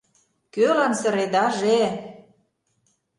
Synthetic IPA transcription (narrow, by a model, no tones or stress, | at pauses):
kølɑnsə̆ɾed̪ɑʒe